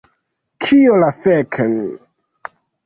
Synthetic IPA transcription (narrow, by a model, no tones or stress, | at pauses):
kʰiolafekʰn